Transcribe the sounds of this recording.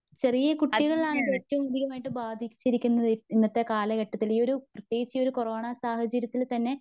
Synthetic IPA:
t͡ɕe̞rijɐkuʈːiɣɐɭaːɳɨetːɐmud̪iɣɐmaːjiʈːɨbaːd̪ʱikʲːi̥t͡ɕːiɾikʲːunːɐðiinːɐt̪ːe̞kaːlɐkɐʈːɐt̪ːiliːo̞ɾuprɐt̪jeːɡt͡ɕːɐjo̞ɾuko̞ro̞ːɳasaːhɐt͡ɕɐɾjɐt̪ːilt̪ɐnːe̞

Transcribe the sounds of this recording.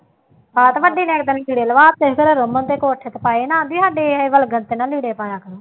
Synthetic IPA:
baːt̪ʋəɖiːnẽːk̚d̪ənːkiːɽeːləʋaːt̪ːeːɡəɾɾəmənt̪eːkoːʈʰət̪paːeːnãːd̪iːɦaːɖeːʋəlɡənt̪eːnaːliːɽeːpaːjaːkəɾoː

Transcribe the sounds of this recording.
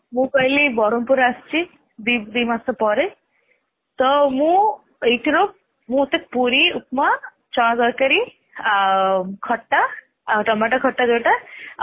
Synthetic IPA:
mũkʌjlibɔɾɔmpuɾast͡ʃi | d̪id̪imasapɔɾe | t̪ɔmũ | eʈiɾop̚ | mũt̪ek̚puɾiupma | t͡ʃɔɽ̃ɡʌkɐɾi | kʰɔʈːa | ʈʌmbaʈakʰɔʈːaɡəʈa

